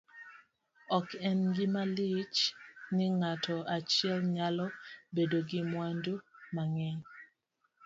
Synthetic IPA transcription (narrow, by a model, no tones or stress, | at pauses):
ɔkɛnɡɪmalɪt͡ʃnɪŋatʰɔat͡ʃɪɛlɲalɔbedoɡɪmwandomaŋɛɲ